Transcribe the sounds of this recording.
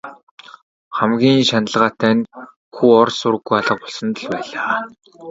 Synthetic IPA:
χæmɡʲiːŋʃanə̆ɮʁaːt̪æːn | xuːɔrsʊɾɘ̆ɣːujaɮə̆q̚pʊɮsə̆nt̪ə̆ɮpæːɮaː

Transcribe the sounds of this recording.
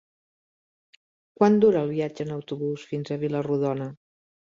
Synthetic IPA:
kwand̪uɾəːlˠβiad͡ʒəːnəwt̪uβusfinzəβiləruðɔnə

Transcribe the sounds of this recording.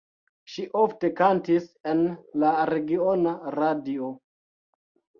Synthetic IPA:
ʃiʔofte̞kantisenlaɾe̞ɡio̞naɾadio

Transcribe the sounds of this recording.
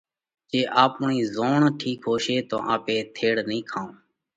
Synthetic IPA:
t͡ʃeːʔaːpʊɳiːzoːɳʈʰiːkɦoːʃeːt̪õ̰ːʔãːpeːt̪ʰeːɽnĩːkʰãːõː

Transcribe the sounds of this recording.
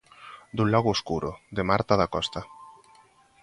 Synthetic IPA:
d̪ulɔɣoːskuɾʊðemaɾt̪aðakɔst̪a

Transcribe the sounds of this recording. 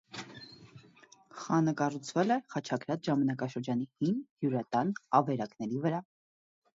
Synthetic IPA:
χɑnəkɑrut͡sʰvɛlɛχɑt͡ʃʰɑkʰɾɑt͡sʰʒɑmɑnɑkɑʃəɾd͡ʒɑnihinhjuɾɑt̪ɑnɑvɛɾɑknɛɾivəɾɑ

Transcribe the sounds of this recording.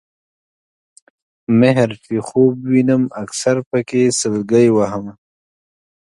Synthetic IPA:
meɦɾfixoːbwinəmɐksaɾpəkesəlɡəjwaɦəm

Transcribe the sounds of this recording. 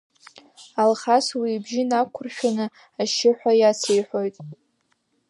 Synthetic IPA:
alχaswiːbʒɪnakʷʰʊrʃᶣanɨ | aʃɪħʷᶣajasʰejħʷo̞jtʼ

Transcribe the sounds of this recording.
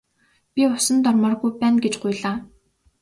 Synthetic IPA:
pʲiʊsə̆nt̪ɔrmɔːrɣujpæːnɡet͡ɕɢʊjɮaː

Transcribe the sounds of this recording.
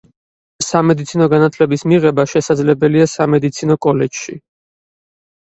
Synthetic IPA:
samɛd̪it̪sʰinɔɡanat̪ʰlɛbismiʁɛbaʃɛsad̪zlɛbɛliasamɛd̪it̪sʰinɔkʼɔlɛd͡ʒʃḭ

